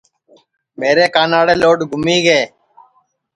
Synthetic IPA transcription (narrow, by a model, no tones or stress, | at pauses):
meːɾeːkaːnaːɽeːloːɖɡʱʊmiːɡeː